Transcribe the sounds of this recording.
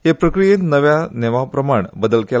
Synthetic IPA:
ɦepɾəkɾijenəʋjaneʋapɾəmaɳbəd̪əlke

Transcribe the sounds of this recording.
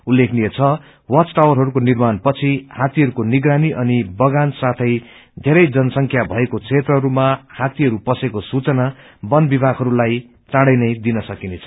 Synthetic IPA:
ulːekʰnijet͡sʰʌ | wʌt͡sʈawʌrɦʌɾukonirmanpʌt͡sʰihat̪iɦʌɾukoniɡraniʔʌnibʌɡansat̪ʰʌj | d̪ʱeɾʌjd͡zʌnʌsʌŋkʰjabʱʌekot͡sʰet̪rʌɦʌɾumahat̪iɦʌɾupʌsekosut͡sʌna | bʌnbibʱaɡɦʌɾulaj | t͡sãɽʌjnʌjd̪inʌsʌkinet͡sʰʌ̥

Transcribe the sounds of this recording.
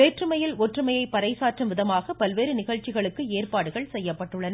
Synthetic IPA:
eːʈrɯmɐjɪlɔʈrɯmɐjɐɪpːɐɾɐɪsaːʈrɯmʋɪðɐmaːɣɐpɐlʋeːɾɯnɪɣɐɭt͡ʃːɪɣɐɭɯkːɯeːrpaːɽɯɣɐɭsɛjːɐpːɐʈːɯɭːɐn

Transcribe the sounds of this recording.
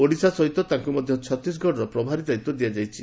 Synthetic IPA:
oɽisasɔɦit̪ɔt̪aŋkumɔd̪ʱjɔt͡ʃʰɔt̪ɾis̬ɡʱɔɽɔɾɔpɾɔbʱaɾid̪ait̪ːɔd̪iad͡ʒajt͡ʃʰi

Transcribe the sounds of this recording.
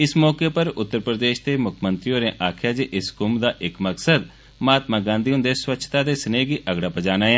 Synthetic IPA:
ɪsmɔːkeːpəɾʊt̪ːəɾpɾəd̪eːʃt̪eːmʊkʰmənt̪ɾijõːɾẽːʔaːkʰjaːd͡ʒeʔɪskʊmd̪aːʔɪkməksəd̪ | maːt̪mãːɡãːnd̪iːʊ̃nd̪eːswətːʃʰt̪aːd̪eːsəneːɡiːʔəɡɽaːpəd͡ʒaːnaːeː

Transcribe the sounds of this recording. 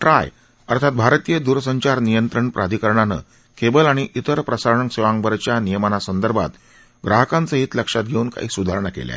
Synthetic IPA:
ʈɾaj | əɾt̪ʰat̪̚bʱaɾt̪ijəd̪uɾsəɲt͡ɕaɾnijənt̪ɾəɳpɾʔad̪ʱikəɾɳanə̰ | kebəlaɽ̃iʔit̪əɾpɾəsaɾɳəŋseʋãŋɡbəɾt͡ɕjanijəmanasənd̪əɾbʱa̰t̪ | ɡɾaɦəkãnt͡səɦiːt̪ləkʂat̪̚ɡʱeuːnka̰ɦiːsud̪ʱaɾɳakḛlja̰

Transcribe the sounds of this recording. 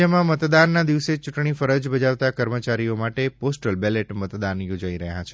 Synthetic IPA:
əmãmət̪d̪anːad̪iʋset͡ʃʊʈɳ̃ifəɾəd͡ʒbəd͡ʒaʋt̪akəɾmət͡ʃaɾiomaʈeposʈəlbeleʈmət̪d̪anjod͡ʒaiɾəɦjat͡ʃʰe

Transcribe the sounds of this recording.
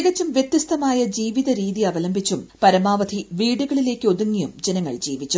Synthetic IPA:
ɣɐt͡ɕːumʋjɐt̪jɐst̪ɐmaːjɐd͡ʑiːʋiðɐɾiːðiɐʋɐlɐmbʱit͡ɕːumpɐɾɐmaːʋɐd̪ʱiʋiːɽuɣɐɭile̞ːkʲːɨo̞ðuŋːijumd͡ʑenɐŋːɐ̰ɭd͡ʑiːʋit͡ɕːu

